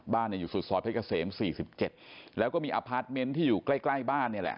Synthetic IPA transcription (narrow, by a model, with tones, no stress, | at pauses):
baː˥˩ni˥˩juː˨˩su˨˩sɔː˨˦˩a˧˥˩ka˧˩seː˩˦msiː˨˩si˨˩p̚t͡ɕe˨˩t̪̚lɛː˦˥wkɔː˥˩miː˧ʔa˧pʰaː˦˥t̪̚me˧˦˥nt̪ʰiː˥˩juː˨˩kla˥˩jkla˥˩jbaː˥˩nːi˥˩ɐlɛ̰˨˩ʔ